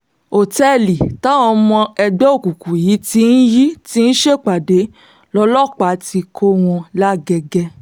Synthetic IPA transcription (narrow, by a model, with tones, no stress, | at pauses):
o˨tɛ˦li˨ta˨˦ɔ˧mɔ̃˧ɛ˧ɡ͡bɛ˦o˦˨ku˨ku˨ji˨˦ti˦n̩˦ji˦ti˦n̩˦ʃe˦˨k͡pa˨de˨˦ | lɔ˧lɔ˦˨k͡pa˨˦ti˧kʰo˦w̃ɔ̃˧la˦ɡɛ˧ɡɛ˧